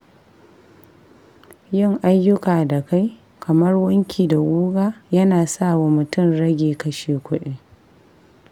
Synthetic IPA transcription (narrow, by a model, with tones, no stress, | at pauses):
jɪ˦ŋʔa˦jːʊ˦kaː˨da˨ka˦j | kʰɐ˨mɐ˦rwɐ˦ŋkʲʰiː˨da˨ɡʷuː˦ɡaː˦jɐ˦naː˨sa˦˨wa˨mʊ˨tʊ˦˨mɽɐ˦ɡʲeː˨kɐ˦ʃeː˨kʷʊ˦ɗeː˦